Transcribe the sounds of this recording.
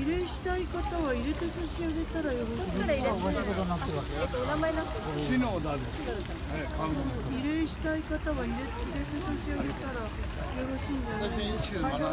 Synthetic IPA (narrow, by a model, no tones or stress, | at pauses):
iɾe̞ɕi̥t̪aikat̪aβaiɾe̞t̪esaɕiaɡe̞t̪aɾajoɾo | akod̪anat̪ːeakeet̪ːoonamainãekinoːd̪aɾes | ekʰa | iɾe̞ɕi̥t̪aikat̪aβaiɾeiɾe̞t̪esaɕiaɡe̞t̪aɾa | joɾo̞ɕĩnd̪e